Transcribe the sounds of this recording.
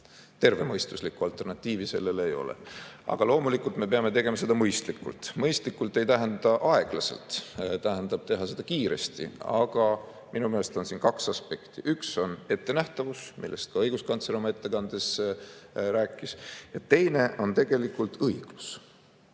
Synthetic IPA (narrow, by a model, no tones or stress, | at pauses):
t̪e̞rve̞mɤjst̪uslikːˑuɑlt̪ˑːe̞rnɑt̪ʲːˑiːvise̞̰lːe̞lejo̞̰lḛɑ̰ɡ̥ɑlo̞ːmulikult̪me̞peɑme̞t̪e̞ɡ̥e̞mɑse̞d̪ɑmɤjst̪likːṵlt̪mɤjst̪likːˑult̪ːˑe̞jt̪æɦend̪ɑt̪ɑʔɑe̞ɡ̥lɑse̞̰lt̪t̪æɦænd̪ɑb̥̚t̪e̞ɦɑse̞d̪ɑkiːɾe̞̰st̪ḭɑ̰ɡ̥ɑ | mʔinumelest̪o̞nsinkɑksɑspe̞kt̪iʔykso̞ne̞t̪ːe̞næht̪ɑvusmʔḭlːe̞st̪̚kɑɤjɡ̥uskɑnt̪seɾomɑe̞t̪ːe̞kɑnd̪̥e̞s | ɾæːkːˑisjɑt̪e̞jne̞o̞nt̪e̞ɡ̥e̞likːˑult̪ɤjɡ̥lus